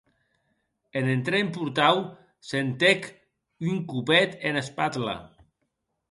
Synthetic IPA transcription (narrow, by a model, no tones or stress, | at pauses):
enent̪ɾempuɾt̪aw | sent̪ek | yŋkupɛt̪enespat̪la̰